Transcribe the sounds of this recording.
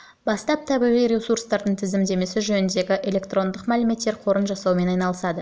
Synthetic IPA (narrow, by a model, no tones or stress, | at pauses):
bɑst̪ɑp̚t̪ʰɑbiʁijɾʲesuɾst̪ɑɾd̪əɴt̪ʰɪzɪmd̪e̞me̞sɪʒɵnɪnd̪e̞ɡʲɪʔe̞lʲe̞k̚t̪ro̞nd̪əqmælɪme̞t̪ːe̞ɾqʰo̞ɾənʒɑsɑwme̞nɑjnɑlˠəsɑd̪ə